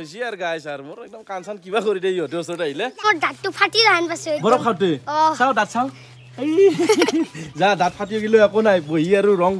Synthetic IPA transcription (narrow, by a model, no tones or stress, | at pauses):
ojsiaɾɡajsaɾmoɾɛk̚dɔmkansankibakɔɾideiɦɔtuɔsɔtaɦilɛmoɹdatːupʰatiɾaɦanpasuebɔɾɔkʰawteɔsawdatsaw̃ | ej | zadat̚pʰatiɦoɡiloakonajboɦiaɾuɾɔŋ